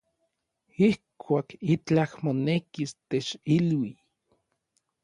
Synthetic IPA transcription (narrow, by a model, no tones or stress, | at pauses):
ihkʰʷaːkit͡ɬahmonekist̪et͡ʃilwi